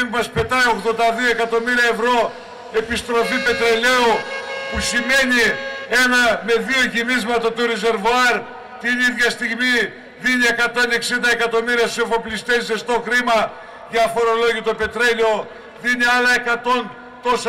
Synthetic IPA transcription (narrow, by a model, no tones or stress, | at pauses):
mɐspe̞t̪ɐjo̞ɣðo̞nd̪ɐðio̞e̞kɐt̪o̞miɾiɐe̞vɾo̞ | e̞pist̪ɾo̞fipe̞t̪ɾe̞le̞upusime̞nie̞nɐme̞ðio̞ʝimizmɐt̪ɐt̪uɾeze̞ɾvoɐɾ | t̪iniðʝɐst̪iɣmi | ðinie̞kɐt̪o̞ne̞ksind̪ɐekɐt̪o̞miɾiɐssiovo̞plist̪esest̪o̞kɾimɐ | ʝɐfo̞ɾo̞lo̞ʝit̪ope̞t̪ɾe̞lo̞ | ðiniɐlɐe̞kɐt̪o̞n | t̪o̞s